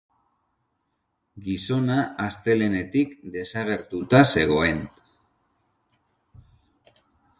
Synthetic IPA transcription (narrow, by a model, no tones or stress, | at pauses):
ɡiso̞naʔːst̪e̞le̞ne̞t̪ikd̪e̞saɣ̞e̞ɾt̪ut̪ase̞ɣ̞o̞e̞n